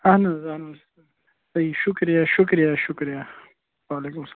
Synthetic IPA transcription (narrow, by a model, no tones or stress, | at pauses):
anazanas | saiʃʊkɾjaʃʊkɾjaʃʊkɾja | waːlekʊms